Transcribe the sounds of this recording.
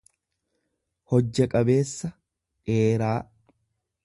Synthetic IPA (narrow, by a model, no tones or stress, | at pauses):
hɔd͡ʒːɐkʼɐbe̞ːsːɐ | ᶑeːɾaː